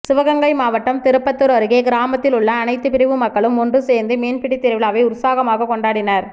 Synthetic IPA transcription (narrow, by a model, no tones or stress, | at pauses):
sɪʋɐɣɐŋɡɐɪmaːʋɐʈːɐmt̪ɪɾɯpːɐt̪ːɯɾɐɾɯɣeːɡɪɾaːmɐt̪ːɪlʊɭːɐːnɐɪt̪ːɯpɪɾɪʋɯmɐkːɐɭɯmʊndrɯseːnd̪ɯmeːnpɪɽit̪ːɪɾɐʋɪlaːʋɐɪʊɾsaːɣɐmaːɣɐkɔɳɖaːɽɪnɐɾ